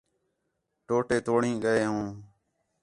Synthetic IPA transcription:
ʈoːʈeːt̪oːɳĩːɠəeːɦũː

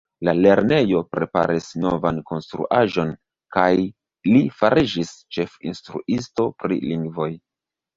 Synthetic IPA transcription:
lale̞ɾne̞jo̞pɾe̞pa̰ɾʔisno̞vanko̞nstɾṵʔaʒo̞n | kaj | lifaɾid͡ʒist͡ʃe̞fḭnstɾṵʔisto̞pɾḭliŋɡvo̞j

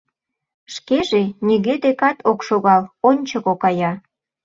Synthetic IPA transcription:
ʃkeʒenʲiɣed̪ekɑt̪ʰokʃoɣɑlonʲt͡ɕəɣokɑjɑ

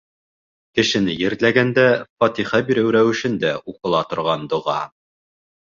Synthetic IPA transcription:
kɘ̆ʃɘ̆nɘjɘ̆ɾt̪læɡænd̪æfɑt̪iχɑbiɾɘwɾæwɘ̆ʃɘ̆nd̪æʔuqɤ̆lˠɑt̪ŏɾʁɑnd̪ŏʁɑ̰

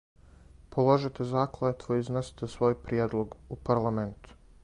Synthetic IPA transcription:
pʰolˠoʒit̪ezaːklet̪ʋoiznesi̥t̪esʋo̞ːjpɾijeːd̪lˠo̞ɡupaɾlˠament̪u̥

